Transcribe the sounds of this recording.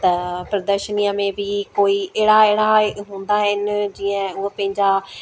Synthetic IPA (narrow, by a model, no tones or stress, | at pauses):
t̪aːpɾəd̪əɾʃəniːãːmẽːʋiːkoːiːeːɽaːeːɽaːɦʊ̃nd̪aːɦənd͡ʒiːãːʊəpẽːɲd͡ʒaː